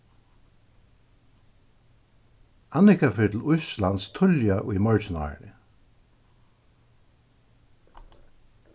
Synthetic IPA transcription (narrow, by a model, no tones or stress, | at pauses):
anɪkafɪːɹt̪ʰl̩ʊslanst̪ʰʊljaʔʊjmœɹt͡ʃna̰ɹnɪ̰